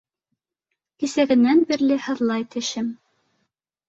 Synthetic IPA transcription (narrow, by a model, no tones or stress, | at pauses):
kisæɡɘ̆nːænbiɾlɘhɤ̆ðlˠɑjt̪ʰɘ̆ʃɘm